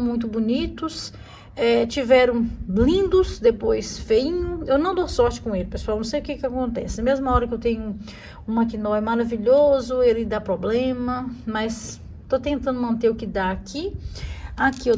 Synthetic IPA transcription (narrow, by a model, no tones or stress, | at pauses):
w̃mũj̃t̪̬ʊbunit̪ʊs | ɛt͡ʃivɛɾɐ̃w̃blĩnd̪ʊsd̪epojsfeĩɲʊ̃ewnɐ̃w̃d̪osɔɾt͡ʃɪ̥kõelɪpesuawnɐ̃w̃sejʊkekɪakõnt̪ɛ̰sɪɐmezmɐɔɾɐkewt̪ẽɲʊ | ũmakinɔjmaɾaviʎozʊelɪd̪apɾoblẽmɐmɐs | t̪ot̪ẽnt̪ɐ̃d̪ʊmɐ̃nt̪eɾʊkɪd̪aakʰi | akie